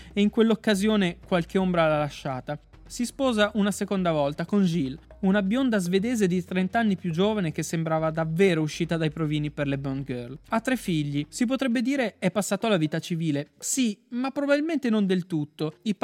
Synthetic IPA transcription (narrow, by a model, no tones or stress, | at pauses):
eiŋkwelːokːazjoːnekwalk̟eombɾalalaʃːaːt̪a | sispɔːzaʔunasekond̪avɔlt̪akond͡ʒil | unabjond̪azved̪eːzed̪it̪ɾent̪anːipjud͡ʒoːvanek̟esːembɾaːvad̪avːeːɾouʃːiːt̪ad̪ajpɾoviːniperlebonɡørlat̪ːɾefːiʎːisip̬ot̪ɾɛbːed̪iːɾeɛpːasːaːt̪olaviːt̪at͡ʃiviːlesimapːɾobabilment̪enond̪elt̪ut̪ːoi